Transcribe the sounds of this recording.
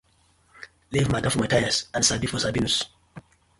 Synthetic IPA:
livmadãfɔmatajasãnsabifɔsabinus

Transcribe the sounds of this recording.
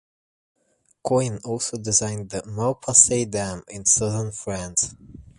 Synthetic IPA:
kʰɔ̃ɪ̃nɔlˠsoʊdɪzãɪ̃nðəmaʊpʰəseɪdæ̃mɪ̃nsʌðənfɹæ̃ns

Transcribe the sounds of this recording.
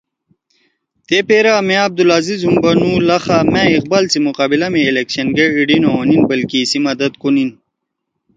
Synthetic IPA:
t̪epeɾamẽɐb̚d̪ulazizumbɐnulɐxamẽiq̚baːlt͡simuqaːbilɐmiːlekɕɐnɡeiɖinoninbɐlkisimɐd̪ɐt̪kunin

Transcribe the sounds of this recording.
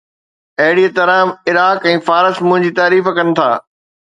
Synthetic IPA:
ɐɦɪɽiːət̪ɐɾaːmɪɾaːkɛ̃ːfaːɾəsmʊ̃ɦɪ̃ɲd͡ʑiːt̪aːɾiːfkɐnɪ̆t̪ʰaː

